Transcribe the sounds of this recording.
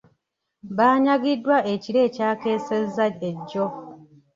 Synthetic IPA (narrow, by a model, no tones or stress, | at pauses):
βaːɲaɡidːwaʔe̞ciɾe̞ːcaːke̞ːsezːaeɟːo